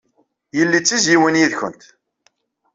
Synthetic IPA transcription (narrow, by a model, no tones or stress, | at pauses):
jəlːit͡sːizjiwənjiðçə̰nt̪